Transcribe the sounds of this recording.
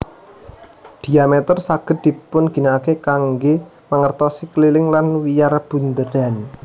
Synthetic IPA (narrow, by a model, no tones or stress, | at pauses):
d̪̥i̤amɛt̪ərsaɡ̥ə̤t̪̚d̪̥i̤pʊnɡ̥i̤naakekaŋɡe | məŋərt̪ɔsiklilɪŋlanwijarb̥ṳnd̪ədan